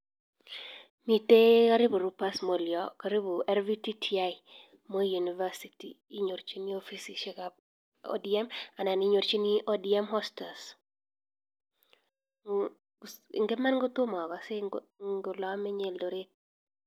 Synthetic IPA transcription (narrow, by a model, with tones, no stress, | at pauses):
mi˨te˦kaɾi˦bu˨ɾupa˦smo˨ljɔkaɾi˦bu˨ʔɛ˦ɾviti˦tʰiai | mo˦ju˨ni˨va˦sitḭ | i˦ɲo˨ɾt͡ʃi˦ni˦ofi˦siʃɛkap̚ | ɔ̰˦diɛ˦ma˨na˨niɲo˨ɾt͡ʃi˦ni˦ʔo˦diɛ˦mɦɔsta˨s | ḭ˨ŋɡe˦ma˦nŋɡo˦tʊ˦mɔ˨ɡɔ˨se˦ŋɡo˨lɔ˦mɛ˦ɲɛ˨ldo˨ɾe˦k̚